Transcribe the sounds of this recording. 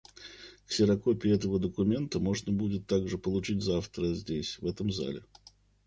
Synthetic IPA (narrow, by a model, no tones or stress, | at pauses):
ksʲɪɾɐko̞pʲɪɛt̪əvəd̪əkʊmʲe̞nt̪əmo̞ʐnəbudʲɪt̪ːaɡʐɨpəlˠʊt͡ɕitʲzaft̪ɾəzʲdʲesʲvɛt̪əmza̰lʲɪ̰